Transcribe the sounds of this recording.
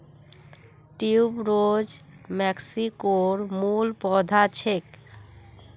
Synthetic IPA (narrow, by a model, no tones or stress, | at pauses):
ʈiubɾod͡ʑ | mɛksikoɾmulpɔd̪ʱat͡ɕʰek